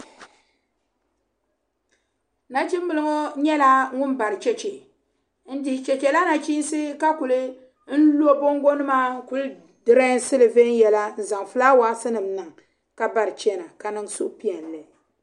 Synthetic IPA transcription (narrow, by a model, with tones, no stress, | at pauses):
na˦t͡ʃi˦m˦bɨ˨lɨ˦ŋo˦ɲɛ˦la˦ŋʊ˦n˦ba˨ɾɨ˨t͡ʃɛ˦t͡ʃɛ˨ | n̩˦dɪ˨ɪ˨t͡ʃɛ˨t͡ʃɛ˨la˦na˨t͡ʃi˦n˦sɨ˦ka˦ku˨lɨ˦ | n̩˦lu˦o˦bo˦ŋ˦ɡo˦nɨ˦maː˦ku˨l | dɨ˨ɾa˦n˦sɨ˦lɨ˨ve˦n˦jɛ˨la˦n̩˨za˨ŋ˨fɨ˦laː˦waː˨˦sɨ˦nɨ˨mnɨ˨ŋ | ka˦ba˨ɾɨ˨t͡ʃɛ˦na˨ka˨nɨ˦ŋso̰˦ʔpi˦ɛ˨n˨lɨ˨